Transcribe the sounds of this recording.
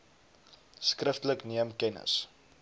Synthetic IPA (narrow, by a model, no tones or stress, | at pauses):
skrəftələkniəmkɛnə̰s